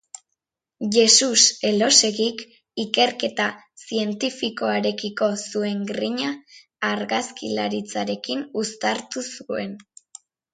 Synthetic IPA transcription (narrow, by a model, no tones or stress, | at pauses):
ʝe̞suse̞lo̞se̞ɣik | ike̞ɾke̞t̪a | sie̞nt̪ifiko̞aɾe̞kiko̞sue̞ŋɡɾiɲaː | ɾɣaskilaɾit͡saɾe̞kinust̪aɾt̪usue̞̰n